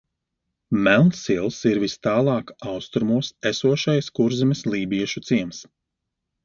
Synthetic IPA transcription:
mælˠnsilˠsiɾvist̪ɑːlˠɑːkawst̪ɾumuɔsesuɔʃajskuɾzimislˠiːbiɛʃut̪siɛms

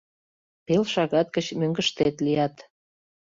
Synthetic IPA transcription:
pelʃɑɣɑt̪̚kət͡ɕmøŋɡəʃt̪et̪lijɑt̪

